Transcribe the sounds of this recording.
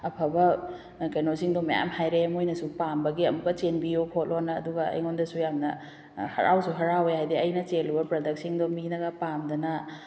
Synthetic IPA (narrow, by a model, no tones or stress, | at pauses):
ɐpʰɐbɐ | kɐjnosiŋdomɐja̰mhajɾemojnɐsupambɐɡiɐ̰mbɐt͡ʃenbijopʰot̚lonːɐːduɡɐɐ̰jŋondɐsujamnɐ | hɐ̰ɾʔa̰wsuɦɐɾawejhajdiɐjnɐt͡ʃelubɐpɾɐdɐk̚siŋdominɐɡɐpamdɐnɐ